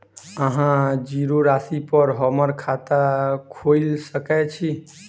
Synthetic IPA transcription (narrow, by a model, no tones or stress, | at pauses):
əɦãd͡ʒiɾoɾasipəɾɦəməɾkʰat̪akʰojlsəkɛt͡ʃʰi